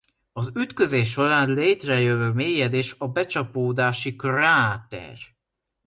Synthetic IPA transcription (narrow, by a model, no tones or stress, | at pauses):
ɒzyt̪kø̞zeːʃ̬o̞ɾaːnleːt̪rɛjøvøːmeːjɛd̪eːʃɒbɛt͡ʃɒpoːd̪aːʃikraːt̪ɛ̰r